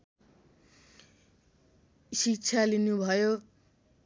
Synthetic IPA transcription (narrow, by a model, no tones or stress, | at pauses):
sik̚t͡sʰalinubʱʌjo